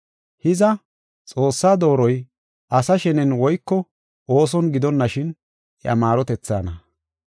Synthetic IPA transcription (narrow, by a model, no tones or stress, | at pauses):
hɪzɐ | t͡sʼo̞ːsːaːd̪o̞ːɾɔj | ʔɐsɐʃɛnɛnwɔjkːɔ | ʔo̞ːs̬ɔnɡɪd̪ɔnːɐʃɪn | ʔɛ̰ʔɐmaːɾɔt̪ɛt͡sːa̰ːnɐ